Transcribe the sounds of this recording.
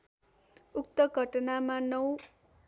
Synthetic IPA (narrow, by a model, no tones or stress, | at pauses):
uk̚t̪ʌɡʱʌʈʌnamanʌw